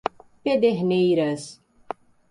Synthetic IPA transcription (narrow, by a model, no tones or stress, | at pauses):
ped̪eɦnejɾɐs